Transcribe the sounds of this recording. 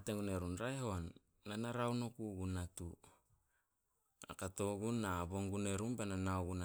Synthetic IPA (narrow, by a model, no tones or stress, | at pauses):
ateŋɡuneɾunɾaeɦoanː | anaɾawnokuɡunatu | a̰kato̞ɡunaβo̞ŋɡune̞ɾumbenanaoɡuna